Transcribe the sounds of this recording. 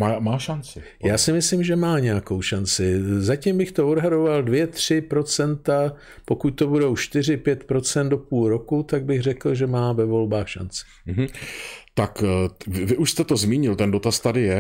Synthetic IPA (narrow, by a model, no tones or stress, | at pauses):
maːmaːʃant͡sɪ | jaːsɪmɪslimʒɛmaːɲɛako̞wʃant͡sɪzacimbɪxt̪o̞odɦado̞valdvjɛt̪r̝̥ɪpɾo̞t͡sɛnt̪a | po̞kuc̚t̪o̞budo̞wʃt̪ɪr̝ɪpjɛt̪pɾo̞t͡sɛnd̪do̞puːlɾo̞kut̪aɡ̚bɪɣrɛkl̩ʒɛmaːvɛvo̞lbaːxʃa̰nt͡sɪ̥m̩ɦ̩t̪akɪvɪʔuʃst̪ɛt̪ozmiːɲɪlt̪ɛndo̞t̪ast̪adɪjɛ